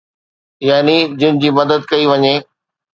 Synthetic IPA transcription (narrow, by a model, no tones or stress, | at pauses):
jaːnid͡ʑɪnɪ̃̆d͡ʑiːmɐd̪əd̪̚kɐiʋɐɲeː